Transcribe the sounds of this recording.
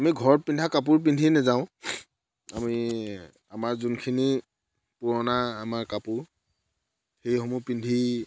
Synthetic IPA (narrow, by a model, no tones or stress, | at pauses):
amiɡʱɔɹɔpindʱakap̬uɹp̬indʱinɛzaʊ̃ | ami | amaɹzunkʰini | pʊɹɔnaːmaɹkapʊɹ | xejhɔmupindʱi